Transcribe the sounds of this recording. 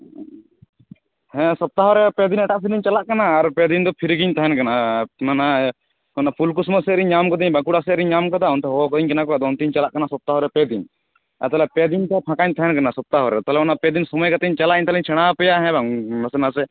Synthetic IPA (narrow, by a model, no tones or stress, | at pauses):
hɛ̃sɔp̚t̪aɦɔɾɛpɛd̪inɛʈaʔpiɾdiɲt͡ʃalaʔkanaːɾpɛd̪ind̪ɔpʰiɾɡiɲt̪aɦɛnkanamana | ɔnapʰulk̬usmɔsɛɾiɲːamkɔd̪iɲbãkuɽasɛʔɾiɲːamkɔd̪aɔnt̪ɛɦɔkɔd̪iɲkɛnakɔd̪ɔnt̪iɲt͡ʃalaʔkanasɔp̚t̪aɦɔɾɛpɛd̪in | a̰t̪alɛpɛd̪ink̪ɛpʰãkaɲt̪ʰaɦɛnkanasɔp̚t̪aɦɔɾɛt̪aɦlɛɔnapɛd̪insɔmɔjkat̪ɛɲt͡ʃalaʔiɲt̪aliɲt͡ʃʰɛɽ̃apɛjaɦɛ̃baŋmɛsɛnasɛ